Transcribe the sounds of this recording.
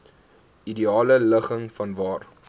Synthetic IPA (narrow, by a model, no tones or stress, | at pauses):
idiɑːlələχəŋfɐnvɑːr